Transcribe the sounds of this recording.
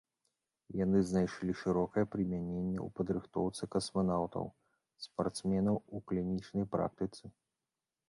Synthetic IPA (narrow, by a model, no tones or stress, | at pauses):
janɨznajʂlʲiʂɨɾɔkɐjɛpɾɨmʲanʲenʲːɛ̰ṵpɐd̪ɾɨxt̪ɔwt̪sɨkɐsmanawt̪ɐ̰w | spart̪smʲɛnɐwuklʲinʲit͡ʂnɐjpɾa̰k̚t̪ɨt̪sɨ